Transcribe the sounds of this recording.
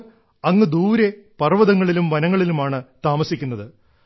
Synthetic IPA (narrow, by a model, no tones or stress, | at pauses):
ɐŋːɨd̪uːɾepɐrʋɐðɐŋːɐɭilumʋɐnɐŋːɐɭilumaːɳɨt̪aːmɐsikʲːunːɐðɨ